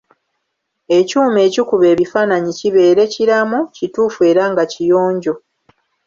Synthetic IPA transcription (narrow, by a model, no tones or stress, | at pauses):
e̞cuːme̞ːcikuβe̞ːβifaːnaɲiciβe̞ːɾe̞ciɾamucituːfue̞ːɾaŋɡacijo̞ːɲɟo̞